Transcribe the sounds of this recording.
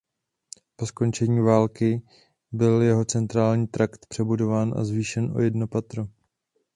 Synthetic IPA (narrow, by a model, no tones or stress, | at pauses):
po̞sko̞nt͡ʃɛɲiːvaːlkɪ | bɪljɛɦo̞t͡sɛnt̪ɾaːlɲiːt̪ɾʔakt̪pr̥ɛbudo̞vaːnʔa̰zviːʃɛnʔo̞̰jɛdno̞pat̪ɾo